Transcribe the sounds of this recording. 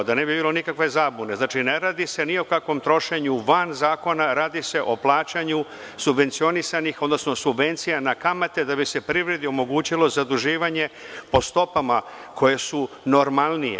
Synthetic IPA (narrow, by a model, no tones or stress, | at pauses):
d̪ane̞bibiːlˠo̞nikakʋe̞zaːbune̞znaːt͡ʃine̞ɾaːd̪ise̞niokakʋo̞mt̪ɾo̞ʃe̞ɲuʋanzaːko̞naɾaːd̪ise̞ʔo̞plˠaːt͡ɕaɲu | subʋe̞nt̪sio̞nisanixod̪no̞sno̞subʋe̞nt̪sijanakamat̪e̞d̪abise̞pɾiʋɾe̞d̪io̞mo̞ɡuːt͡ɕilo̞zad̪uʒiːʋaɲe̞po̞st̪o̞pamakʰo̞je̞su | no̞ɾmalnijḛ